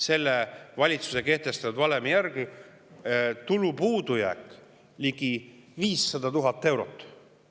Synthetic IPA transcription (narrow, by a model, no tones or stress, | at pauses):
se̞lːevɑlʲit̪su̥se̞ke̞ht̪e̞st̪ɑud̪vɑlemjærɡi | t̪ulupuːd̪̥ujæ̰kˑ | liɡ̥iviːsːɑd̪ɑt̪uɦɑt̪ˑːe̞wɾo̞t̪ːˑ